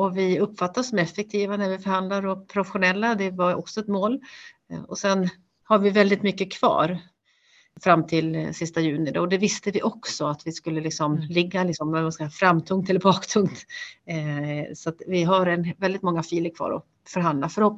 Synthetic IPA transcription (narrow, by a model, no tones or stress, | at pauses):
ɔvɪɵpːfat̪ːasɔmɛfɛk̚t̪ʰiːvanæɾvɪfœɾhand̪laɾɔpʰɾʊfɛɧʊnɛlːad̪ɛvaɾɔksɔɛt̪moːl | ɔsɛn | haɾvɪvɛld̪ɪt̪mʏkːəkʰv̥ɑ̰ːɾ | fɾamːt̪ʰɪlsɪst̪ajʉ̟ːnɪd̪ɔ̰ɔd̪ɛvɪst̪əvɪʔɔksɔat̪vɪskɵlːəlɪksɔmlɪɡːalɪksɔmɛmaskafɾamːt̪ʰɵŋkt̪ɛlːəɾbɑːkt̪ʰɵŋkt̪ | sɔat̪vɪɦaɾɛnvɛld̪ɪt̪mɔŋːafiːləkʰvɑ̰ːɾɔ̰ | fœɾɦand̪lafœɾhɔpː